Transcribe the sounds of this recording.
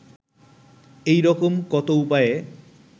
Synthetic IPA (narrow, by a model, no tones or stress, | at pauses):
ejɾɔkomkɔt̪oupaje